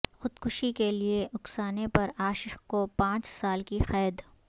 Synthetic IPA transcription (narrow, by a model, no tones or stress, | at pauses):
xʊd̪kʊʃikelieʊksaːnepɐɾaːʃɪxkopãːt͡ʃsaːlkixɛːd̪